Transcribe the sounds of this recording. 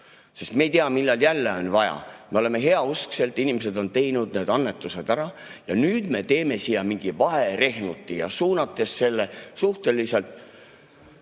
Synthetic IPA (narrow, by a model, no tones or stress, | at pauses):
sest̪me̞jt̪eɑmilːɑljælːeonvɑjɑ̰me̞ole̞me̞ɦe̞ɑuskse̞lt̪ːˑinʲimes̬e̞d̪o̞nt̪e̞jnud̪ne̞ːd̪̥ɑnːe̞t̪ːˑuse̞d̪̥æɾɑ | jɑnyːd̪̥me̞t̪e̞ːme̞sijɑmiŋɡ̥ivɑɦe̞ɾe̞hnut̪ːˑijɑ̰suːnɑt̪ːˑe̞sːe̞lːesuht̪e̞liselt̪ˑ